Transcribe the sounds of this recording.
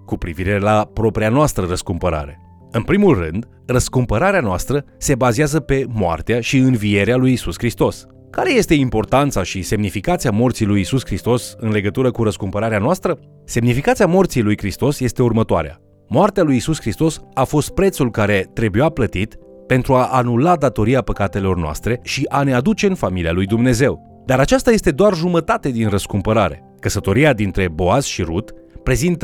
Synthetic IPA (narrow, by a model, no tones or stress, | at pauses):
kupɾiviɾe̞lapɾo̞pɾianoast̪ɾərəskumpəɾa̰ɾe̞ | ɨnpɾimulrɨ̰nd̪ | rəskumpəɾaɾeanoast̪ɾə | se̞bazeazəpe̞moa̰rt̪eaʃiɨnvie̞ɾealujisuskɾist̪o̞s | kaɾe̞je̞st̪e̞impo̞rt̪ant̪saʃise̞mnifikat̪siamo̞rt̪sijlujisuskɾist̪o̞sɨnle̞ɡət̪uɾəkuɾəskumpəɾaɾeanoast̪ɾə | se̞mnifikat̪siamo̞rt̪sijlujkɾist̪o̞sje̞st̪e̞urmət̪oa̰ɾea̰ | moart̪ealujisuskɾist̪o̞safo̞st̪̚pɾe̞t̪sulkaɾe̞t̪ɾe̞bujaplət̪it̪ | pe̞nt̪ɾuaʔːnulad̪at̪o̞ɾiapəkat̪e̞lo̞rnoa̰st̪ɾe̞ʃiʔane̞ad̪ut͡ʃe̞ɨnfamilialujd̪umne̞ze̞w | d̪aɾat͡ʃast̪aje̞st̪e̞d̪oarʒumət̪at̪ed̪inrəskumpəɾaɾe̞̰ | kəsət̪o̞ɾiad̪int̪ɾe̞bo̞az̥ʃiɾut̪ | pɾe̞zint̪ə